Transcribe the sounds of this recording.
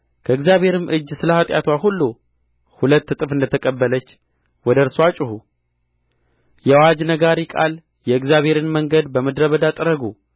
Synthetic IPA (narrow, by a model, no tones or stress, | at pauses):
kʰəɨɡzjaβhe̞ɾɨmʔɨd͡ʒːsɨləhat̪ʼjat̪ʰwahulːu | hulət̪ːɨt̪ʼɨfɨnd̪ət̪ʰəkʼəbːələt͡ʃː | wɔd̪əɾswat͡ʃʼɪhu | jɛawad͡ʒnəɡaɾikʼa̰l | jɛɨɡzjaβhe̞ɾɨnməŋɡəd̪bəməd̪ɾəβəd̪at̪ʼəɾəɡu